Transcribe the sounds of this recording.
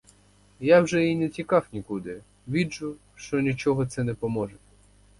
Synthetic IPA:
jawʒɛjinɛtʲikɑwnʲikud̪ɪ | ʋʲid͡ʒʊ | ʃt͡ʃɔnʲit͡ʃɔɦɔt̪sɛnɛpɔmɔʒɛ

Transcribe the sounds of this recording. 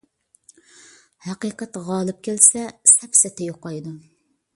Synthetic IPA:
hæqəːqət̪ʁɑːlˠɨp̚kʲʰelsɛsɛpsɛt̪ʰɛjoqɑjd̪u

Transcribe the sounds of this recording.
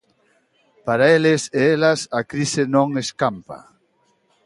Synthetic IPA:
paɾaelɪseelɐsɐkɾisɪnõŋeskampa̰

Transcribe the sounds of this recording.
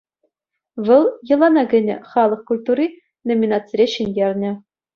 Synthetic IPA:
ʋɤ̆lˠjɤ̆lˠɑnɑɡʲɘ̆nʲɘ̆χɑlˠɤ̆χkulʲt̪urʲi | nomʲinɑt̪t͡sɘrʲeɕinʲjʲerʲnʲɘ̆

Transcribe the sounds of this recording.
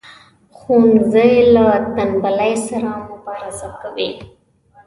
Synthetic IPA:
xunzəjlat̪anbalajsaɾamʊbɑɾasakawi

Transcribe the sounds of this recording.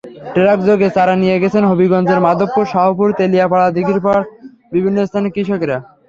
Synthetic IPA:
ʈeɾak̚d͡ʑoɡet͡ɕaɾanijeɡɛt͡ɕʰenɦobiɡɔnd͡ʑeɾmad̪ʱopːuɾʃaɦopuɾt̪elijapaɭad̪ikiɾpaɽ | bibʱinːost̪ʰanekɾiʃokeɾa

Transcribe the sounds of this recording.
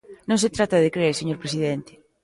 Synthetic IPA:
nõŋset̪ɾat̪aðekɾeeɾseɲoɾpɾesiðent̪e̥

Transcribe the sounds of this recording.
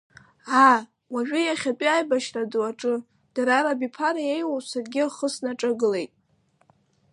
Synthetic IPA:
a | waʒᶣʏjaχʲapʼiajbaʃradaʈ͡ʂʼɨ | d̥aɾaɾabipʰaɾajejwasarɡʲɪaχəsnaʈ͡ʂʼaɡɨle̞jtʼ

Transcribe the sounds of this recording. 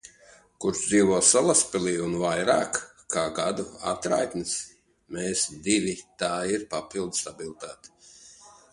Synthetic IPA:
kuɾsd̪ziːvɔːsalˠaspɛlˠiːunvajɾaːkːʰ | aːɡad̪ua̰t̪ɾa̰jt̪nɨs | meːsd̪ivʲit̪aːiɾpapilˠd̪st̪abilˠt̪aːt̪i̥

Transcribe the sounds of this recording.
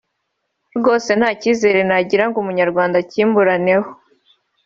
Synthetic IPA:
ɾɡo̞ːse̞nhaːciːze̞ːɾe̞naɟiɾaŋɡumuɲaɾɡwaːndaciːmbuɾane̞ho

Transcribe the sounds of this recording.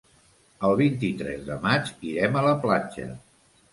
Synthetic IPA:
əlˠβint̪it̪ɾɛ̰zðəmad͡ʒiɾɛmələplad͡ʒə̰

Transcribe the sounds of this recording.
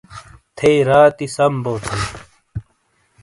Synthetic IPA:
t̪ʰeːɾaːt̪isɐmboːt̪ʰe

